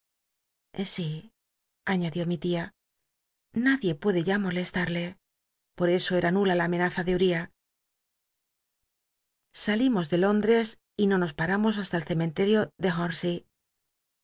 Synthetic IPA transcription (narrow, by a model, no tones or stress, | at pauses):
si | aɲaðjo̞mit̪ia | naðje̞pwe̞ðe̞ʝamo̞le̞st̪aɾle̞ | po̞ɾe̞so̞e̞ɾanulalaːme̞naθaðeuɾia | salimo̞zðe̞lo̞nd̪ɾe̞s | ino̞no̞spaɾamo̞s̬ast̪alθe̞me̞nt̪e̞ɾjo̞ðe̞xonsi